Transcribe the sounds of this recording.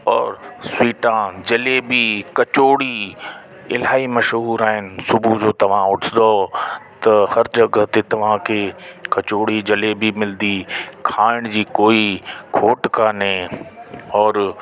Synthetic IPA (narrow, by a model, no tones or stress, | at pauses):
ɔːɾswiːʈãd͡ʑɐlebikɐt͡ɕoːɽi | ɪlaːimɐʃɦuːɾaːɦɪnɪ̆sʊbʱud͡ʑoːt̪ɐʋ̤ãʊʈʰɪnd̪ot̪ɐhɐɾd͡ʑɐɡt̪et̪ɐʋ̤ãkʰekɐt͡ɕoːɽid͡ʑɐlebimɪld̪ikʰaːɪɽ̃d͡ʑiːkoːikʰoːʈkanɦẽ | ɔːɾ